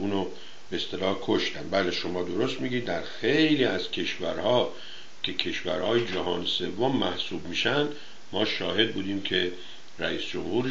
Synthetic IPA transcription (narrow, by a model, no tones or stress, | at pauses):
uːno | beːst̪e̞lɒːhkʰoʃt̪æmbæːleʃomɒːd̪o̞ɾost̪miːɡiːd̪̚ːæɾxejliːæz̥cʰe̞ʃvæɾhɒː | cʲʰe̞cʰe̞ʃvæɾhɒːjed͡ʒæɦɒːnese̞vːomːæhsuːbmiːʃænd̪̥ | mɒːʃɒːɦe̞d̪̚buːd̪iːmkʰe̞ | ræiːsd͡ʒomhuːɾ